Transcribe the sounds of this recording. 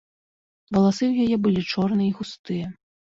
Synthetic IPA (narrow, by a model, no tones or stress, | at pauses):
vɐlˠasɨwjajɛbɨlʲit͡ʂɔrnɨiɣust̪ɨjɐ